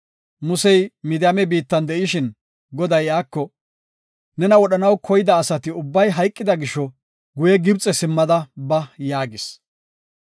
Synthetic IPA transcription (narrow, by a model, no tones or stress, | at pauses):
mʊsɛjmɪd̪ɪjɐmɛbiːt̪ːɐnd̪ɛʔɪʃɪn | ɡɔd̪ɐjaːkːɔ | nɛnɐwɔɗɐnɐwkʰɔjɪd̪ɐːsɐt̪ɪʊbːɐjɦɐjkʼːɪd̪ɐɡɪʃːɔ | ɡʊjɛɡɪbt͡sʼːɛsɪmːɐd̪ɐbɐjaːɡɪs